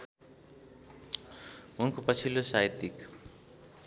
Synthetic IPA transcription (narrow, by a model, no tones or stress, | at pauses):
unkopʌt͡sʰilːosait̪ik